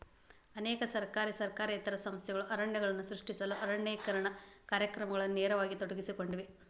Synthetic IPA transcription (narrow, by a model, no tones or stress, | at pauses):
ɐnɛːkɐsɐɾkaːɾisɐɾkaːɾiːt̪ɐɾɐsɐmst̪ʰjɛɡɐɭuʔɐɾɐɳːjɐɡɐɭɐnːusɾuʂʈisɐluʔɐɾɐɳjeːkɐɾɐɳɐkaːɾjɐkɾɐmɐɡɐɭɐnːuneːɾɐʋaːɡit̪oɽɐɡisiko̞ɳɖiʋe